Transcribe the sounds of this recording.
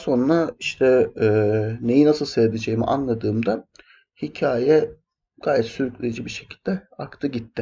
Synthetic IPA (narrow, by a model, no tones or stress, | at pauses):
so̞nɾaiʃt̪ʰɛː | ne̞jinasɯlˠsevd̪ed͡ʒejmḭʔa̰nlˠad̪ɯːmd̪a | hicʰaːjɛ | ɡ̥aːjɛt̪syɾyclʲejid͡ʒibiʃe̞̥cʰilʲd̪ɛakt̪ʰɯɟit̪ːɪ